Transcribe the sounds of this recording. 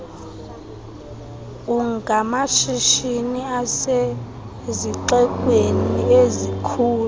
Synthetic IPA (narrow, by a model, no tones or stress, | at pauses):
uŋɡʱamaʃiʃiniase | ziǁɛkʼweniezikʰuːlu